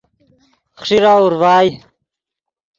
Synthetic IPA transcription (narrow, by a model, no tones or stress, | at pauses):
χʂiɾauɾwaːi